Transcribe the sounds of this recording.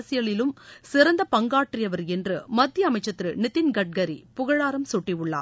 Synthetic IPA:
sɪjɐɭɪlɯmsɪɾɐnd̪ɐpɐŋɡaːʈrɪjɐʋɐɾɛndrɯmɐt̪ːɪjɐɐːmɐɪt͡ʃːɐt̪ːɾɯnɪt̪ːɪnɡɐʈ̚ɡɐɾḭpʊɣɐɻaːɾɐmsʊʈːiʋɯɭːa̰ːɾ

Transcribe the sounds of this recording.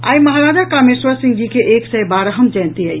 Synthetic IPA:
a̰jməɦɾad͡ʒakameswəɾsĩŋɡd͡ʒikeʔeksɛjbaɾəɦəmd͡ʒɛ̃nt̪iəj

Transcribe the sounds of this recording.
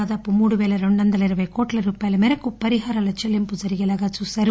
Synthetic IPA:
aːd̪aːpumuːɽuʋeːɭɐɾoɳːɐnd̪ɐlɐiɾɐʋɐjkoːʈlɐɾuːpaːjɐlɐmɛɾɐkupɐɾiɦaːɾalɐt͡ʃelːimpud͡ʒɐɾiɡɐlaːɡɐsusɐɾ

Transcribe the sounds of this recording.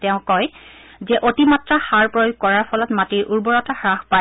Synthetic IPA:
tɛʊ̃kɔjzɛʔotimatɹaxaɹpɹojuɡ̚kɔɹaɹpʰɔlɔtmatiɹʔuɹbɔɹɔtaxɹaxpa

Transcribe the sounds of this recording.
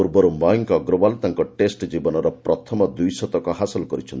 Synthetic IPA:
uɾbɔɾumbajŋkɔɡɾɔbalt̪aŋkɔʈesʈd͡ʒibɔnɔɾɔpɾɔt̪ʰɔmɔd̪ujsɔt̪ɔkɔɦasɔlɔkɔɾit͡ʃʰɔn

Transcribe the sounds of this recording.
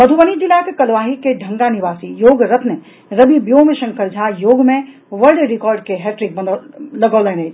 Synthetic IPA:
mɐd̪ʱuʋənid͡ʒilakekɐlʋaːɦikeɖʱɐ̃ŋɡaniʋaːsijoːɡɾɐt̪ne | ɾɐbibjoːmeʃɐ̃ŋkəɾd͡ʒʱaːjoːɡmẽ | ʋəlɖɾɪkɔːɾɖkeɦɛːʈɾɪk̚bɐlɐɡəːleːned͡ʒ

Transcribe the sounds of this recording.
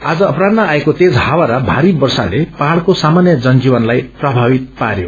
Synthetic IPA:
ad͡zʌːpɾad̪maːekot̪ed͡zɦawaɾʌbʱaɾibʌrsa̰lepaɦaɽkosamanjʌd͡zʌnd͡zibʌnlajprʌbʱawit̪̚paɾjo

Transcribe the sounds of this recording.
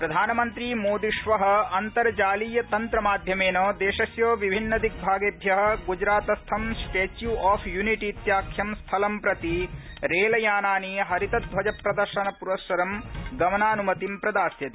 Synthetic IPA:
pɾɐd̪ʱaːnɐmɐnt̪ɾimoːd̪iʂʋɐɦɐ̆ɐnt̪ɐɾɐd͡ʒaːlijɐt̪ɐnt̪ɾɐmaːd̪ʱjɐmeːnoːd̪eːʃɐsjoːʋibʱinːɐd̪ʱik̚bʱaːɡebʱjɐɦɐ̆ɡud͡ʒɾaːt̪ɐst̪ʰɐmsʈeːt͡ʃjuʔaːpʰjuniʈiːt̪jaːkʰjɐmst̪ʰɐlɐmpɾɐt̪i | ɾeːlɐjaːnaːniɦɐɾit̪ɐd̪̚ʋɐd͡ʒɐpɾɐd̪ɐɾʃɐnɐpuɾɐsɐɾɐmɡɐmɐnaːnumɐt̪impɾɐd̪aːsjɐt̪i̥

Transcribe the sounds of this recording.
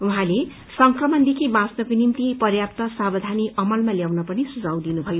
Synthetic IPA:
uɦãle | sʌŋkrʌmʌnd̪ekʰibãsnʌkonimt̪ipʌrjapt̪ʌsabʌd̪ʱaniʔʌmʌlmaljawnʌpʌnisud͡zaw̃d̪inubʱʌjo

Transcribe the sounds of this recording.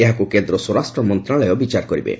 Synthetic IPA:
eɦakukend̪ɾɔswɔɾasʈɾɔmɔnt̪ɾalɔjɔbit͡ʃaɾkɔɾibḛ

